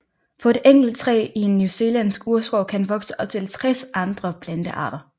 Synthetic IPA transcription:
fɒ̽e̝d̥eŋ̰ɡ̥l̩d̚t͡sʰʁɛ̰ːie̝nːjuse̝ːlænsɡ̥uɐsɡ̥ɒʊ̰kʰænʋɒ̽ɡ̥səʔɒ̽b̥̚t͡sʰe̝lt͡sʰʁɛsɑ̈nd̥ʁɐpʰlænd̥əʔɑ̰̈ːɾ̥ɐ

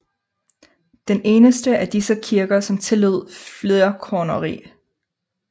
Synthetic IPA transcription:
d̥ene̝ːnəsd̥əʔæd̥isəkʰiɐɡ̥ɐsɒ̽mt͡sʰe̝løð̞̰ˠfleɐkʰɒːnɐʁḭː

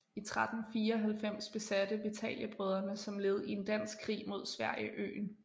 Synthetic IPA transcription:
it͡sʰʁad̥n̩fiːɐɒɦælfem̰sb̥e̝sæd̥əʋit͡sʰɛ̰ljəb̥ʁœð̞ˠɐnəsɒ̽mle̝ːð̩ˠe̝nd̥æn̰sɡ̥kʰʁḭːmo̝ð̞̰ˠsʋæɐ̰jəʔø̰ːn

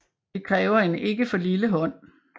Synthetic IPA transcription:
dikʰʁɛːʊɐe̝ne̝ɡ̥əfɒ̽liləɦɒ̽n̰

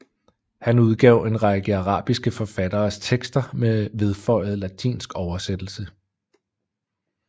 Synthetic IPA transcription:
hænuð̞ˠɡ̥ɛʊ̰e̝nʁɑ̈ɡ̥əɑʁɑ̰̈ːb̥isɡ̥əfɒ̽fæd̥ɐːst͡sʰeɡ̥sd̥ɐmeʋe̝ð̞ˠfɒ̽ɪð̞̩ˠlæt͡sʰḭːnsɡ̥ɒʊɐsed̥l̩sə

